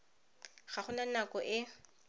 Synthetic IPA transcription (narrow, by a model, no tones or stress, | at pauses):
χaχʊnanakɔʔɪ